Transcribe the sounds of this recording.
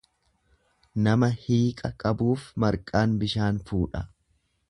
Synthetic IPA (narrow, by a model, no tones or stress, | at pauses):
nɐmɐhiːkʼɐkʼɐbuːfmɐɾkʼaːnbɪʃaːnfuːᶑɐ